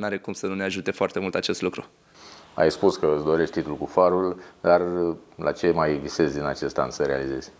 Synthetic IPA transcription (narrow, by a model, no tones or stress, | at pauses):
naɾekumsənune̞aʒut̪e̞foart̪emult̪at͡ʃe̞st̪lukɾu | a̰jspuskəɨsd̪o̞ɾe̞ʃt̪t̪it̪lulkufaɾuld̪arla̰t͡ʃe̞majvise̞zd̪ina̰t͡ʃe̞st̪a̰nsəɾea̰lize̞z̥ʲ